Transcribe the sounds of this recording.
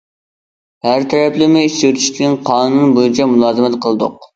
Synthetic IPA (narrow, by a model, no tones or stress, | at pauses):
hæɾt̪ʰɛɾɛplɪmɪit͡ʃøt̪ʰy̥ʃt̪ɪkʲinqʰɑːnɨnunbojit͡ʃʰɛmulˠɑːzɨmɛt̪qʰəlˠɨd̪ʊ̰q̚